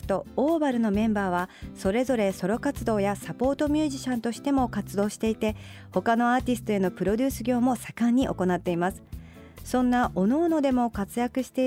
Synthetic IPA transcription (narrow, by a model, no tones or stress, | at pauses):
t̪o̞oːbaɾɯ̟no̞mẽ̞mbaːβ̞aso̞ɾe̞zo̞ɾe̞so̞ɾo̞kat͡sɨd̪o̞ːjasapo̞ːt̪o̞mʲɨːʑiɕãnt̪o̞ɕi̥t̪e̞mo̞kat͡sɨd̪o̞ːɕi̥t̪e̞it̪e̞ | ho̞kano̞aːt̪ʲisɨ̥t̪o̞e̞no̞pɯ̟ɾo̞dʲɨːsɨɡʲo̞ːmo̞sḁkãɲ̟ːiʔo̞̰ko̞nat̪ːe̞imasɨ̥ | sõ̞nːaʔono̞ːno̞d̪e̞mo̞kat͡sɨjakɯ̟ɕi̥t̪e̞